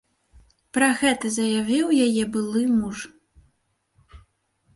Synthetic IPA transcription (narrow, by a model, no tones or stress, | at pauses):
pɾɐɣɛt̪ɐzɐjavʲiwjajɛbɨlˠɨmuʂ